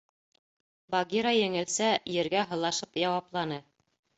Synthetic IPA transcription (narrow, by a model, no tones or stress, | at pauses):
bɑɡʲiɾajɘ̆ŋɘ̆lsæjɘ̆ɾɡæɦɤ̆lˠɑʃɤpjɑwɑplˠɑnɤ